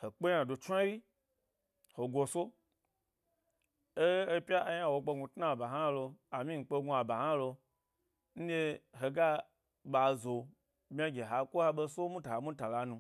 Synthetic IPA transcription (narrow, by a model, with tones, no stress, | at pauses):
he˨k͡pe˦ɲã˨do˨t͡ʃʷa˦ji˦ | ho˨ɡʷo˧so˦ | e˦e˦pʲa˦ʔa˧ja˦˨wo˧k͡pe˧ɡu˧tna˦˨ba˨ɦa˦lo˧a˨mĩ˦ŋ̩˨k͡pe˧ɡu˧a˨ba˨ha˦lo˧ | n̩˦de˧ɦe˨ɡa˦ | ɓa˨zo˨ | mʲ˦a˧ɡʲe˨ɦa˨kʷo˦ha˧ɓe˧so˦mũ˦ta˨a˨mũ˦ta˨la˧nũ˧